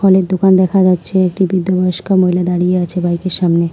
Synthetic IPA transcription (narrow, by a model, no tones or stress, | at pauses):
ɔled̪okand̪ɛkʰad͡ʑatːɕʰeek̚ʈibid̪ːobɔjoʃkamoilad̪aɽijeat͡ɕʰebajkeɾʃamne